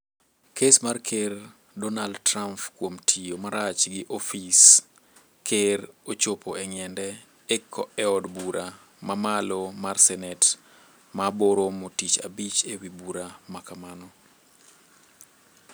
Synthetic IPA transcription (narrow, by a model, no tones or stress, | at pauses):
kʰesmarkʰer | dɔnaldtɾampkwomtʰijomaɾat͡ʃɡɪʔofis | kʰeɾot͡ʃopoɛŋjɛndɛ | ɛkʰːɔʔɛɔdbuɾʔa | mamalomarsɛnɛt | maboɾomotit͡ʃa̰bit͡ʃewibuɾamakamanɔ